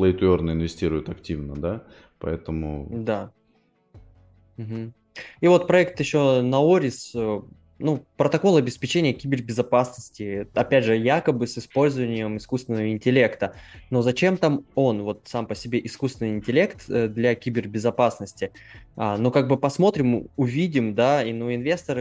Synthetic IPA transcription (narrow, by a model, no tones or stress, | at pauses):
plˠəɪt̪ʊornəɪnvʲɪsʲtʲiɾʊjɪt̪ɐktʲivnəd̪a | pɐ̰ɛt̪əmʊ̰d̪a | m̩ɦm̩ | ivo̞t̪̚pɾɐɛk̚t̪jɪɕːo̞nɐoɾʲɪsə | nupɾət̪ɐko̞lˠɐbʲɪspʲɪt͡ɕenʲɪjəkʲibʲɪrbʲɪzɐpasnəsʲtʲɪɐpʲædʲʐɨjakəbɨsɨspo̞lʲzəvənʲɪjəmɨskust̪vʲɪnːəvəɪnʲtʲɪlʲe̞kt̪əno̞zɐt͡ɕe̞mt̪amo̞nvo̞t̪sampəsʲɪbʲe̞ʔɪskust̪vʲɪnɨɪɪnʲtʲɪlʲe̞kt̪ːd̪lʲɐkʲibʲɪrbʲɪzɐpasnəsʲtʲɪanokaɡ̚bɨpɐsmo̞t̪ɾʲɪmʊvʲidʲɪmd̪ainuɪnvʲe̞st̪əɾɨ